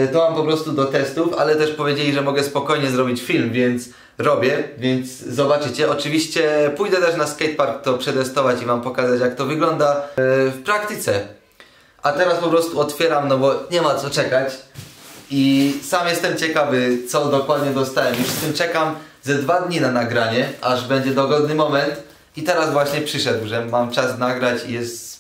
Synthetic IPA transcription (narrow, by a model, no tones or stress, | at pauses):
d̪ɔwampɔpɾɔst̪ud̪ɔt̪ɛst̪ufa̰lɛt̪ɛʂpɔvʲjed͡ʑelʲiʐɛmɔɡɛspɔkɔjɲɛzɾɔbʲit͡ɕfʲilmvʲjɛnt̪s | ɾɔbʲjɛvʲjɛndt̪szɔbat͡ʂɘt͡ɕɛɔt͡ʂɘvʲiɕt͡ɕɛpujd̪ɛt̪ɛʂnaskɛjt̪̚paɾkt̪ɔpʂɛt̪ɛst̪ɔvat͡ɕivampɔkazat͡ɕjak̚t̪ɔvɘɡlɔnd̪afpɾakt̪ɘt̪sɛ | at̪ɛɾaspɔpɾɔst̪uɔt̪fʲjɛɾamnɔbɔɲɛmat̪sɔt͡ʂɛkat͡ɕ | isamjɛst̪ɛmt͡ɕɛkavɘt̪sɔd̪ɔkwad̪ɲɛd̪ɔst̪awɛmjufʂst̪kɘmt͡ʂɛkam | zɛd̪vad̪ɲinanaɡɾaɲɛaʐbɛɲd͡ʑɛd̪ɔɡɔd̪̚nɘmɔmɛnt̪ | it̪ɛɾazvwaɕɲɛpʂɘʂɛd̪wʐɛmamt͡ʂasnaɡɾat͡ɕijɛst̪